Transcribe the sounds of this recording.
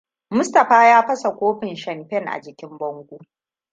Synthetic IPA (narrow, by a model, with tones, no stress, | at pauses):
mʊ˦stɐ˨ɸaː˦jaː˦ɸɐ˦sa˨kʷoː˦ɸɪ˨nʃɐ˨mɸɛ˦˨ŋʔa̰˨d͡ʒɪ˨kʲɪ˦mbɐ˦ŋɡʷu˦